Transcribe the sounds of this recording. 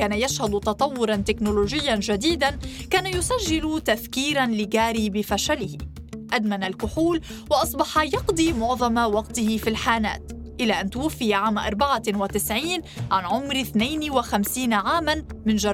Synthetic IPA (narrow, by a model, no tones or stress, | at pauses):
aːnajaʃhad̪t̪ɑt̪ˤɑwːʊɾˤɑnt̪ɪknʊloːʒɪjːanʒad̪iːd̪ankaːnajʊsaʒːɪlt̪aθkiːɾanlɪɡaːɾiːbɪfaʃalɪhɪ | ʔad̪manalkʊħuːl | wɑʔɑsˤbɑħɑjɑqd̪ˤiːmʊʕðˤɑmawɑqt̪ɪhɪfilħaːna̰ːt̪ | ʔɪlaːʔant̪ʊwafːɪjaʕaːmaʔɑ̰ɾˤbaʕawat̪ɪsʕiːnʕanʕʊmɾɪθnajnwaxamsiːnaʕaːmanmɪnʒɑɾˤ